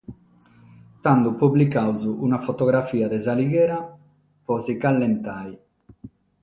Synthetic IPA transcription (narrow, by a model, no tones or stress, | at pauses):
t̪and̪upubːlikawzuunafɔt̪ɔɣɾafiːad̪ɛzaliɣɛːɾa | pɔzikalːɛnt̪aj